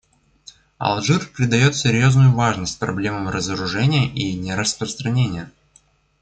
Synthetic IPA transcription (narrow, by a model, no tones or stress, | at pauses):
ɐ̰lˠʐɨrpɾʲɪd̪ɐjo̞t̪sʲɪɾʲjo̞znʊjʊvaʐnəsʲt̚ʲpɾɐblʲe̞məmrəzəɾʊʐɛnʲɪjəʔinʲɪɾəspɾəst̪ɾɐnʲenʲɪjə